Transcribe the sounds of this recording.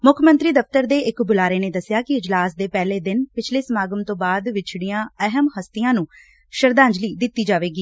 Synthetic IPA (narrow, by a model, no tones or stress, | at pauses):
mʊkʰmənt̪ɾiːd̪əpt̪əɾd̪eːɪkbʊlaːɾeːneːd̪əsːjaːkɪɪd͡ʒlaːsd̪eːpɛːleːd̪ɪnpɪt͡ʃʰleːsəmaːɡəmt̪õːbaːd̪ʋɪt͡ʃʰɽijãːəɦəmɦəst̪ɪjãːnũː | ʃəɾd̪ãːɲd͡ʒliːd̪ɪt̪ːiːd͡ʒaːʋeːɡiː